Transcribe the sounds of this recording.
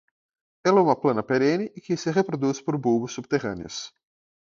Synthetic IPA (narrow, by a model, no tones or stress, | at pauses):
ɛlɛũmɐplɐ̃nɐpeɾẽnɪkɪsɪʁepɾod̪uspoɾbubʊsːub̚t̪eʁɐ̰̃nɪ̰ɐ̰s